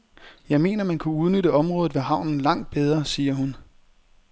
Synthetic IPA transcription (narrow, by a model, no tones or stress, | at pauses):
jɑ̈ɪme̝̰ːnɐmænkʰuuð̞ˠnøɾəɒ̽mʁɔ̽ːð̩ˠʋe̝ɦɑ̈ʊ̰nn̩lɑ̈ŋ̰d̥̚b̥eð̞ˠʁɐsiːɐɦun